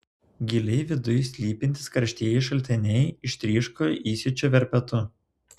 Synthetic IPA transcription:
ɡʲɪlʲɛɪʋʲɪd̪ʊjsʲlʲiːpʲɪnʲt̪ʲɪ̥skɐɾʲʃʲt̪ʲiɛjɛɪʃ̬ɐlʲt̪ʲɪnʲɛɪɪʃt̪ʲɾʲiːʃkoːjʔiːsʲɪt͡ʃʲoːʋʲɛɾʲpʲɛt̪ʊ

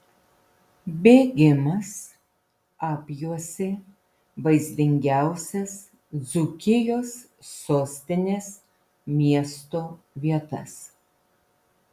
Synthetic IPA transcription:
bʲeːɡʲɪmɐs | ɑːpʲjuɔsʲɪ | ʋɐɪzʲd̪ʲɪŋʲɡʲæˑʊsʲɛs | zʊkʲɪjoːsː | oːsʲt̪ʲɪnʲeːs | mʲiɛst̪oː | ʋʲiɛt̪ɐs

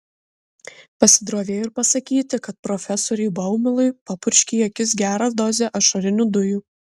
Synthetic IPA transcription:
pɐsʲɪd̪ɾoːʋʲeːjɪɾpɐsɐkʲiːt̪ʲɪkɐt̪̚pɾɔfʲɛsɔːɾʲɛɪbɐʊmʲɪlˠʊɪpɐpʊɾʲʃʲkʲiːjokʲɪsɡʲæːɾɐd̪ɔzʲeʔɐʃɐɾʲɪnʲuːd̪ʊjuː

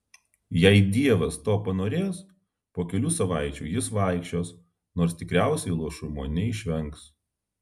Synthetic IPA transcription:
jɛɪd̪ʲiɛʋɐst̪oːpɐnoːɾʲeːs | poːkʲɛlʲuːsɐʋɐˑɪt͡ʃʲuːjɪsʋɑˑɪkʃʲt͡ʃʲoːs | noːɾst̪ʲɪkɾʲæˑʊsʲɛɪlˠuɔʃʊmoːnʲɛɪʃʲʋʲɛŋˑks

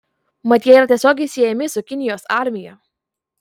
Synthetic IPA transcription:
mɐt̪ʲjɛiɾɐt̪ʲiɛsʲoːɡʲɛɪsʲɪjɛmʲɪsʊkʲɪnʲɪjoːsɑˑɾʲmʲɪjɛ

